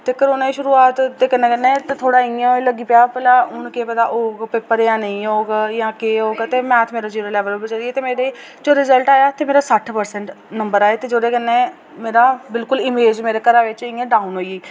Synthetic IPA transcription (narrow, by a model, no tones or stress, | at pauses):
t̪eːkəɾoːnaːiːʃʊɾuːaːt̪d̪eːkənːẽːkənːẽːt̪et̪ʰoːɽaːɪãɦoləɡiːpjaːpəlaːʊnkeːpət̪aːʔoːɡpɪpːəɾjãːnəĩːɦoːɡjãːkeːɦoːɡt̪eːmɛ̃ːt̪ʰmeːɾaːd͡ʒiːɾəlɛːʋəlbəd͡ʒaɾieːt̪eːmeːɾeː | d͡ʒoːɾɪzəlʈaːjaːt̪eːmeːɾaːsəʈʰpəɾsɛɳʈ | nəmbəɾaːeːt̪eːd͡ʒoːd̪eːkənːẽː | meːɾaːbɪlkʊlɪmeːd͡ʒmeːɾeːkəɾaːʋɪt͡ʃɪ̃ãːɖaːunɦoːieː